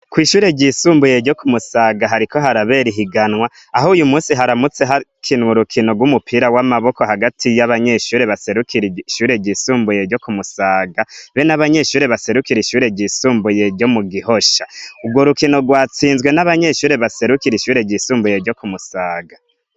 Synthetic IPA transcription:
kwiːʃuːɾe̞ɟisuːmbuje̞ɾɟo̞kʰumusaːɡaɦaɾiko̞ɦaɾaβe̞ɾiɦiɡanwa | aɦoːjumuːsiɦaɾamut͡se̞ɦakʰinwuɾukʰino̞ɡwumupʰiːɾawamaβo̞ko̞haɡatʰijaβaɲe̞ʃuːɾe̞βase̞ɾukʰiɾʃuːɾe̞ɟiːsuːmbuje̞ɾɟo̞kumusaːɡaβenaβaɲe̞ʃuːɾe̞βase̞ɾukiɾiʃuːɾe̞ɟisuːmbuje̞ɾɟo̞muɡihoʃaubɡwo̞ɾukino̞ɡwaːt͡siːnzɡwe̞naβaɲe̞ʃuːɾe̞βase̞ɾukiɾiʃuːɾe̞ɟisuːmbujeɾɟo̞kumusaːɡa

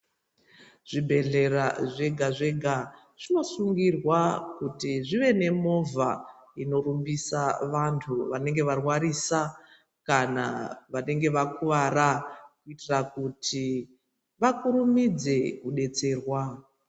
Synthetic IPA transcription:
ʐ̥ibʱe̞ɮe̞raʐeɡʱaʐe̞ɡʱa | ʐ̥ino̞suŋɡirwakutiʐiʋe̞ne̞mo̞vaino̞rumbisaʋantʰuʋane̞ŋɡe̞ʋarwaɾisa | kana̰ʋane̞ŋɡe̞ʋakuʋaɾakuitirakutʰi | ʋakuɾumid͡ze̞kuɗe̞t͡se̞ːrwa

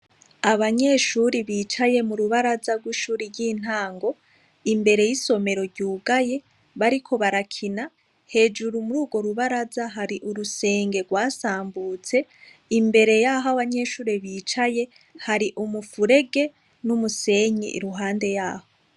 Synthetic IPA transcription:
aβaɲe̞ʃuɾiβiːt͡ʃaje̞muɾuβaɾazaɡwiʃuːɾiɾɟiːn̥ɦaːŋɡo̞ | imbe̞ɾe̞jiso̞me̞ɾo̞ɾɟuːɡaje̞ | βaɾikʰo̞βaɾakʰina | he̞ːd͡ʒuɾumuɾuːɡwo̞ɾuβaɾazaɦaɾiʔuɾuse̞ːŋɡe̞ɡwaːsaːmbuːt͡se̞ | imbe̞ɾe̞jaːɦoaβaɲe̞ːʃuːɾeβiːt͡ʃaje̞ | haɾiʔumufuɾe̞ɡe̞ | numuse̞ɲḭʔḭɾuɦaːnde̞jaːho̞

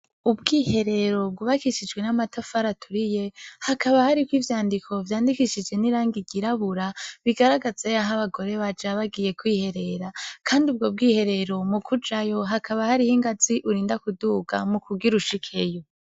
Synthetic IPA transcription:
ubɡiːhe̞ɾe̞ɾo̞b̚ɡuːβakiʃid͡ʒɡwe̞namatafaɾatʰuɾije̞hakʰaβahaɾikwiːvjaːndikʰo̞vjaːndikiʃid͡ʒɡe̞niɾaːŋɡiɟiɾaβuɾaβiɡaɾaɡazeaɦaβaɡo̞ɾe̞βad͡ʒaβaɡije̞kwiːhe̞ɾe̞ɾakʰaːndiub̚ɡo̞b̚ɡiːhe̞ɾe̞ɾo̞mukʰud͡ʒajo̞ɦakʰaβahaɾihiŋɡaziʔuɾiːndakuduːɡa̰mukuɡiɾuʃikʰe̞jo

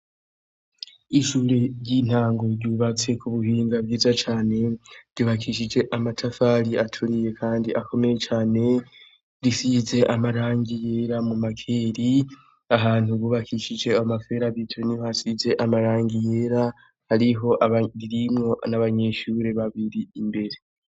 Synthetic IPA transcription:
iʃuːɾe̞ɾɟin̥haːŋɡo̞ɾɟuːβat͡se̞kʰuβuhiːŋɡabɡiːzat͡ʃaːne̞ɾɟ̥uβakʰiʃid͡ʒe̞ʔamatʰafaːɾiatʰuɾije̞kʰaːndiʔakʰo̞me̞je̞t͡ʃaːne̞ | ɾisize̞ʔamaɾaːŋɡije̞ːɾamumakʰe̞ːɾi | aɦaːn̥uβuːβakʰiʃid͡ʒe̞amafe̞ːɾaβitʰonihohasize̞ʔamaɾaːŋɡije̞ːɾa | haɾiɦo̞ʔaβaɾiɾimŋo̞naβaɲe̞ʃuːɾe̞βaβiɾiimbe̞ɾe

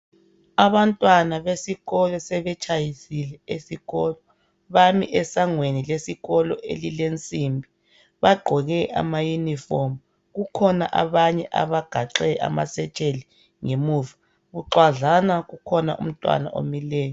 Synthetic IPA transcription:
aβantʼwanaβesiɣɔlɔsɛβɛt͡ʃʰʼajisilɛesiɣɔːlɔ | βamḭʔɛsaŋwenilesiɣɔlɔʔḛlilent͡sʼimbʱi | βaɡ͡ǃʱɔɣɛʔa̰majunifɔm | ɣukʰɔnaʔaβaɲɛʔa̰βaɡ̥ʱaǁɛʔa̰ma̰sɛt͡ʃʼeli | ŋemuːva | ɣuǃwaɮanaɣukʰɔna̰ʔṵm̩tʼwa̰na̰ʔo̰milɛːjɔ

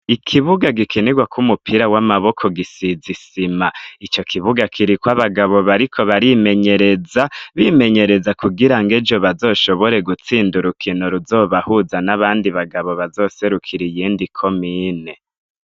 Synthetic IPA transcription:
ikʰiβuɡaɡikʰeneɡwakumupʰiɾawamaβo̞kʰo̞ɡisizisimait͡ʃo̞kʰiβuɡakʰiɾikwaβaɡaβo̞βaɾikʰo̞βaɾime̞ɲe̞ɾe̞zaβime̞ɲe̞ɾe̞zakuɡiɾaŋɡed͡ʒo̞βazo̞ːʃo̞βo̞ɾe̞ɡut͡siːnduɾukʰinoɾuzo̞ːβahuzanaβaːndiβaɡaβo̞βazo̞ːse̞ɾukʰiɾijiːndikʰo̞miːne̞

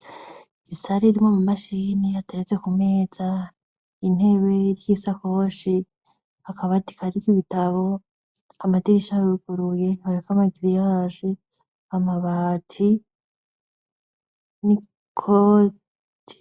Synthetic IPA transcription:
isaɾiɾimŋomumaʃiniateɾet͡se̞kume̞ːz̥a | in̥e̞βe̞ɾjisakoʃi | hakʰaβati̥kaɾikiβitaβo̞ | amatiɾiʃaɾuɾuɡ̥uɾuje̞βaɾekamaɡiɾijaʒe | amaβatʰi | ni | kʰo̥

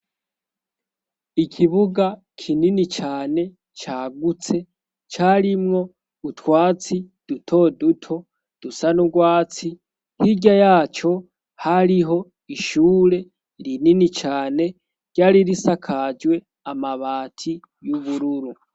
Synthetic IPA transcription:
ikʰiβuɡa | kʰininit͡ʃaːne̞ | t͡ʃaːɡut͡se̞ | t͡ʃaɾimŋo̞ | utwaːt͡sid̥utʰo̞dutʰo̞ | d̥usanuɡwaːt͡si | hiɟajaːt͡ʃo̞ | haɾiɦo̞ | iʃuːɾe̞ | ɾininit͡ʃaːne̞ | ɟ̥aːɾiɾisakʰaːd͡ʒwe̞ | amaβaːtʰi | juβuɾuɾu

